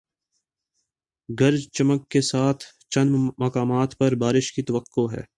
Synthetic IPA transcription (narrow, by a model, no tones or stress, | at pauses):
ɡɐɾd͡ʒt͡ʃɐməkːesaːt̪ʰ | t͡ʃɐnmɐkaːmaːt̪pɐɾbaːɾɪʃkit̪ɐʋəqːoɦɛ̰ː